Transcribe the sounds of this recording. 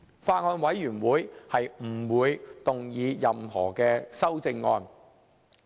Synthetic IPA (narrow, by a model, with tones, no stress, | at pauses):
faː˧t̚ŋɔː˧nwɐ˨˥jːyː˨˩nwuː˨˥jhɐ˨jm̩˨˩wuː˨˧jt̪ʊ˨ŋjiː˨˧jɐ˨mhɔ̰ː˨˩kɛː˧sɐ˥wt͡sɪ˧ŋːɔː˧n